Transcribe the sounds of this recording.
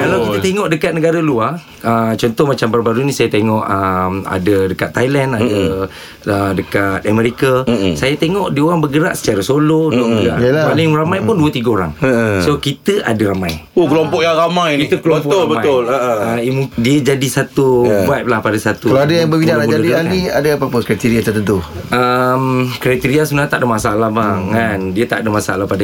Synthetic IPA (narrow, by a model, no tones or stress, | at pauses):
kalawkit̪ət̪eŋɔʔdəkat̪̚nəɡaɾəlua | ət͡ʃɔnt̪ɔhmat͡ʃambaɾbaɾunĩsajat̪eŋɔʔəma̰dədəkat̪ːajlɛnadə | ədəkat̪̚amɛɾikasajat̪eŋɔʔdioɣaŋbəɡəɾa̰ʔsə̥t͡ʃaɾəsolouomula̰lapalɪŋramajpʊnduət̪iɡaoɾa̰ŋəsokit̪əʔa̰dəɾamajokəlompɔʔjaŋɾamajnit̪əkloəpɔʊlabəmaʊlaəimudiəd͡ʒadisat̪ubap̚lahpadasat̪ukalaadajaŋbəbinãamud͡ʒaədianiadaapapəkɾat̪iɾiat̪ərt̪ənt̪uəmkɾat̪iɾiasunat̪aʔdamasaalahbaŋandiət̪aʔdamasaalahpada